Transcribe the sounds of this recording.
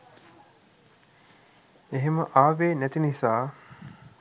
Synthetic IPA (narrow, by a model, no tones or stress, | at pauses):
eɦeməʔaːʋeːnæt̪inisaː